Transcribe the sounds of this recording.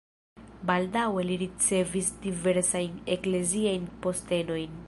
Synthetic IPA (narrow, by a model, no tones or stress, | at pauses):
bald̪aweliɾit͡sevisd̪iveɾsajnekleziajnpo̞st̪e̞no̞jn